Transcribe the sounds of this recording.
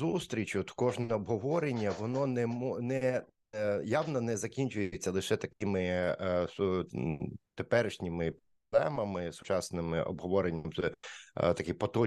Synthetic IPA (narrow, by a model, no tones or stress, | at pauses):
ust̪ɾʲit͡ʃʲɔt̪kɔʒnɛɔbɦɔʋɔɾenʲːɐʋɔnɔnɛmɔnɛ | jɑʋnɐnɛzɐkʲinʲt͡ʃʊjɪt͡sʲːɐlˠɪʃɛt̪ɐkɪmɪs | t̪epɛɾɪʃnʲɪmɪp | ɔblˠɛmɐmɪsʊ̥t͡ʃɑsnɪmɪ̰ʔɔ̰bɦɔʋɔɾenʲːɐmɛt̪ɐkɪpɔt̪ɔ